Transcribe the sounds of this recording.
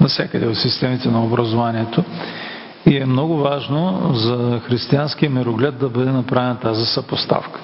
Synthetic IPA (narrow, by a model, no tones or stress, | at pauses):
nɐsʲakəd̪ɛot̪sist̪ɛmit̪ɛnɐobɾɐzovaniɛt̪o | iɛmnɔɡʊvaʒnozɐxɾist̪iansk̟iəmɛɾoɡlʲad̪̚d̪ɐbəd̪ɛnɐpɾavɛnɐt̪azisɐpost̪a̰fkə̥